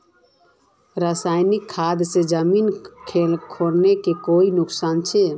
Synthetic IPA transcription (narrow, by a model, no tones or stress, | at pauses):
ɾasaːɪnɪkʰːaːd̪sed͡ʒəminkʰelkʰoɾnekekoːinʊksaːnt͡ʃʰe